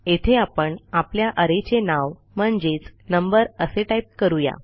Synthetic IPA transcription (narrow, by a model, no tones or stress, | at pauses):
et̪ʰeapəɳapljaʔəɾet͡ɕenaʋ | m̤əɳd͡ʑet͡snəmbəɾəseʈaip̚kəɾuja̰